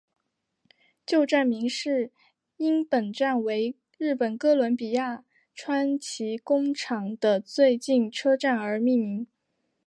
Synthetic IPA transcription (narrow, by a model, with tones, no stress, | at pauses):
t͡ɕjo˥˧ʊʈ͡ʂa˥˩nmi˧˥ŋʂɻ̩˥˩ | i˥npə˨˩nʈ͡ʂa˥˩nwe˧˥ɪ | ɻɻ̩˥˩pə˨˩nkɤ˥lwə˧˥npi˨˩ja˥˩ | ʈ͡ʂʰwa˥nt͡ɕʰi˧˥kʊ˥ŋʈ͡ʂʰɑ˧˥ŋd̪ə˧t͡swe˥˧ɪt͡ɕi˥˩nʈ͡ʂʰɤ˥ʈ͡ʂa˥˩nə˞˧˥mi˥˩nmi˧˥ŋ